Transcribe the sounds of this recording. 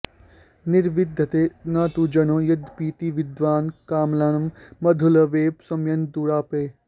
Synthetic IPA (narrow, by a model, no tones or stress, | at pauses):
nɪɾʋid̪ʱːɐt̪eːnaːt̪ud͡ʒɐnoːjɐd̪ʱpiːt̪iʋɪd̪ʋaːnkaːmlaːnɐmmɐd̪ʱulɐʋeːpsɐmjɐnd̪uːɾaːpeː